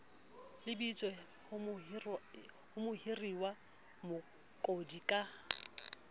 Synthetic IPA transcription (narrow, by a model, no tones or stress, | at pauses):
lɪbit͡sʼwɛ | hʊmʊhiriwa | mʊ | kʼodikʼa